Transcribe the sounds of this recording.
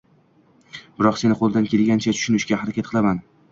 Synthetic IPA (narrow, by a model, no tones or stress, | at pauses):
b̥ɪɾɒqse̞nɪqʰolˠd̪ankʲe̞lɡʲant͡ʃʰat̪ʰʊ̥ʃʊnɪʃɡʲahaɾakʲat̪̚qʰɨlˠaman